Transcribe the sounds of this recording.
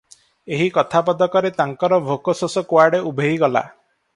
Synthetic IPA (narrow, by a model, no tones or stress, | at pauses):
eɦikɔt̪ʰapɔd̪ɔkɔɾet̪aŋkɔɾɔbʱokɔsɔsɔkwaɾɖeubʱeɦiɡɔla̰